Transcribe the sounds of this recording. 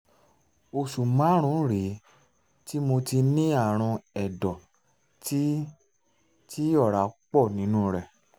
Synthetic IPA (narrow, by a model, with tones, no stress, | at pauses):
o˧su˨mã˨˦ɾ̃ũ˨˦˨ɾe˨˦ | ti˦mo˧ti˧nĩ˦a˦˨ɾ̃ɔ̃˧ɛ˨dɔ˨ | t | ti˦ɔ˦˨ɾa˨˦k͡pɔ˦˨nĩ˨˦nũ˦ɾɛ˨